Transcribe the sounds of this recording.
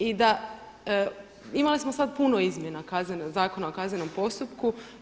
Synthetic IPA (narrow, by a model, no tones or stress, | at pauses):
id̪a | imalismo̞sad̪̚puno̞izmʲje̞nakaznenazaːko̞naokazne̞no̞mpo̞st̪upku